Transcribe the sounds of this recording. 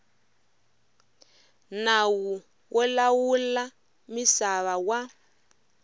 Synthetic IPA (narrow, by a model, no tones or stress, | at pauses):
nawu | wʔɔlawula | misaβawa